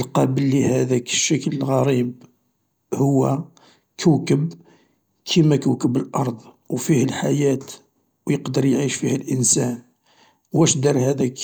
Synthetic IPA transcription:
əlqɑbəlːihæd̪ækə̥ʃːəkələlɣɑɾib | hʊwːæ | kʰəwkəb | kʰimækəkəbəlʔɑɾˤd̪ˤ | wfihəlħajæt̪ | wjəqd̪əɾˤjʕiʃfihəlʔənsæn | wæʃd̪ɑɾˤhæd̪æk

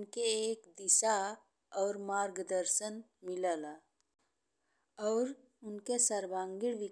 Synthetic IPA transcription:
nkeːkd̪ɪsa | ɔːɾmaːɾɡd̪əɾsənmɪlala | ɔːɾ | ʊnkesəɾbãːŋɡɪɽʋɪ

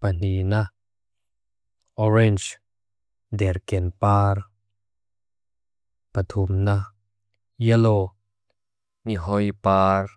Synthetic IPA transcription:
pɐn̥ina | ʔɔrɛnd͡ʒ | dɛrkɛnpaːr | pɐt̪ʰumna | jɛlɔ | niɦɔjpaːr

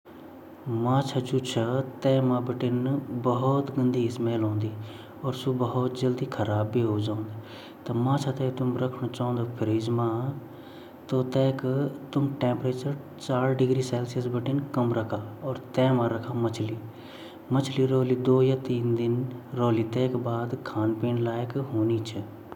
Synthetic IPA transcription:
mãːt͡ʃʰat͡ʃuːt͡ʃʰat̪ɛːmãːbɪʈɪnbɐɦɔt̪ɡənd̪iːɪsmeːlɦõːnd̪iː | ɔːɾsubəɦɔt̪d͡ʒəld̪iːkʰəɾaːbːiːɦoːd͡ʒaːʊ̃nd̪e | t̪ɐmãːt͡ʃʰat̪ɛ̃ːt̪ʊmɾəkʰnoːt͡ʃaːõːnd̪oːpʰɪɾɪd͡ʒmãː | t̪oːt̪ɛːkt̪ʊmʈɛ̃ːmpɾeːt͡ʃəɾ | t͡ʃaːɾɖɪɡɾiːsɛːlsəsbəʈɪnkəmɾəkʰaːɔːɾt̪ɛːmãːɾəkʰaːmət͡ʃʰliː | mət͡ʃʰliːɾoːliːd̪oːjaːt̪iːnd̪ɪnɾoːliːt̪ɛːkbaːd̪kʰaːnpeːnlaːjkɦoːniːt͡ʃʰə

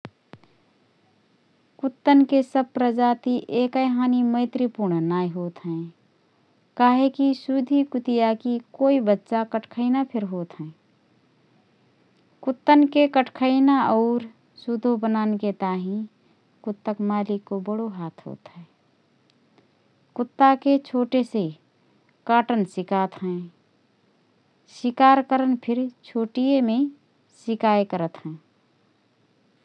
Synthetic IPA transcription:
kʊt̪ːənkesəb̚pɾəd͡ʒaːt̪iʔeːkəjɦaːnimə̃ɪt̪ɾipuɾɳnaːiɦoːt̪ɦɛ̃ː | kaːɦekisud̪ʱikʊt̪ijakikoːibətːʃakəʈʰkʰəɪnapʰɪɾɦoːt̪ɦɛ̃ː | kʊt̪ːənkekəʈʰkʰəɪnaɔːɾ | sʊd̪ʱobənaːnket̪aːɦĩ | kʊt̪ːəkmaːlɪkːobəɽoɦaːt̪ʰɦo̰ːt̪ɦɛ̃ː | kʊt̪ːaket͡ʃʰoːʈese | kaːʈənsɪkaːt̪ɦɛ̃ː | sɪkaːɾkəɾənpʰɪɾt͡ʃʰoːʈijemẽ | sɪkaːekəɾət̪ɦɛ̃ː

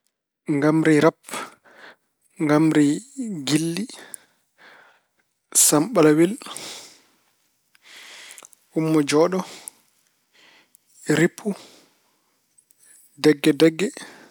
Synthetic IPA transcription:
ŋɡamɾiɾap | ŋɡamɾiɡilːi | samɓalawil | umːɔd͡ʒɔːɗɔ | ɾipʰːu | dɛɡːɛdɛɡːɛ

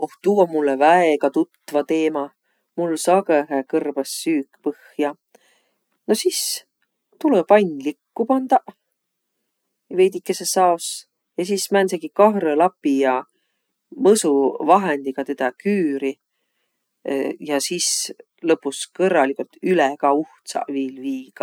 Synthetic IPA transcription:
oht̪uːomulːevæeɡ̥ɑt̪ut̪ːˑvɑt̪e̞ːmɑ | mulsɑɡeɦekɤrbɑsːyːkpɤhjɑ | no̞sis | t̪ulepɑjnʲlikːupɑnd̪̥ɑ | ve̞jd̪ikːˑesesɑos | jɑsiːsmænseɡ̥ikɑɦrelɑpːˑijɑ | mɤsuvɑɦend̪̥ikɑt̪e̞d̪̥ɑkyːɾi | jɑsis | lɤpːˑuskɤrːɑlikult̪ylɛɡ̥ɑuht̪sɑ̰viːlviːɡ̥ɑ

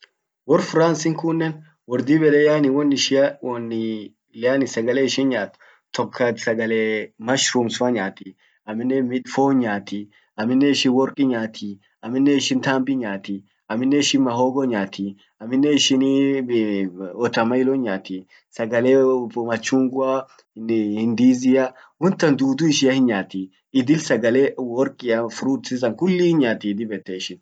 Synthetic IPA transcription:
wɔɾfʊɾaːnsɪŋkʊnːɛn | wɔɾd̪iːbɛᶑɛjaːnɪwɔnːɪʃɔnːɪ | lɪaːnɪsɐɡɐleːɪʃɪnɲaːt̪ | t̪ɔkʰːɐsɐɡɐleːmɐʃɾumsʊɐɲaːt̪i | ɐmːɪnːɛmɪᶑfoːɲaːt̪i | ɐmːɪnːɛɪʃɪnwɔɾkʼɪɲaːt̪ʰi | ɐmːɪnːɛɪʃɪnt̪aːmbɪɲaːt̪i | ɐmːɪnːɛɪʃɪnmɐɦoːɡɔɲaːt̪ʰi | ɐmːɪnːɛɪʃɪn | ɔt̪ɐmɐɪloɲaːt̪i | sɐɡɐlemɐt͡ʃːuːŋɡʊa | hɪnd̪iːzɪjɐ | hʊnt̪ːɐnd̪uːd̪ʊɪʃɪɐhɪnɲaːt̪i | ɪd̪ɪlsɐɡɐlewɔɾkʼɪjɐfʊɾuːᶑsɪs̬ɐŋkʊlːihɲaːt̪id̪ɪbɛt̪ːeɪʃɪn

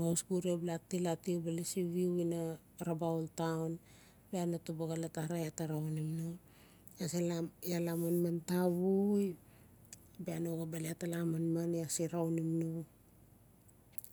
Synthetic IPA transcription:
ŋawsɡuɾiablatilatiubalesiβiuina | ɾabawltawn | beanatubaɡalataɾajataɾaonimno | asilajalamanmantaβuj | beanoɡabaleatalamanmaneasiɾawnimno

